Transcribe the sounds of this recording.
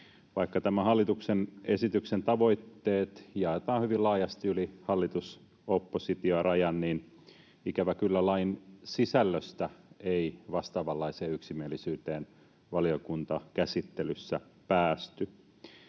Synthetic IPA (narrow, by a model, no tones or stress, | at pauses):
ʋɑikːɑt̪æmæhɑlːit̪uksene̞sit̪yksent̪ɑʋo̞it̪ːeːt̪jɑet̪ɑːhyʋillɑːjɑst̪iylihɑlːit̪us | opːosit̪iorɑjɑnniːn | ikæʋækylːælɑinsisælːøst̪æeiʋɑst̪ɑːʋɑlːɑiseːyksimielːˑisyːt̪eːn | ʋɑliokunt̪ɑkæsit̪ːelysːæpæːst̪y